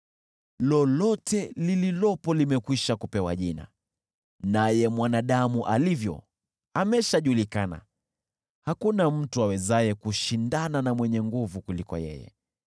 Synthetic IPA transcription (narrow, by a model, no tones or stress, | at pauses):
lɔlɔtʰɛlililɔpɔlimɛkwiʃakupɛwa̰ʄina̰ | najɛmwanaɗamuʔalivjɔ̰ | amɛʃaʄulikana̰ | hakunam̩tuawɛzajɛkuʃindananamwɛɲɛŋɡuvukulikɔ̰jɛ̰jɛ̰